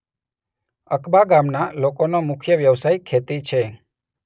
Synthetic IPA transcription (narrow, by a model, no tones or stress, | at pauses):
əkbaɡamnalokonomʊkʰjəʋjəʋsajkʰet̪it͡ʃʰe